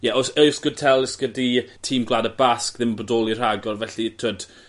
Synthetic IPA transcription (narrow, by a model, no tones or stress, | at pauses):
jɛɔsesɡ̥ʊd̚tʰɛlˠɪsɡ̥əditʰiːmɡlˠaːdəbaskðɪmbɔdɔːlˠir̥aɡɔrvɛɬitʰod̥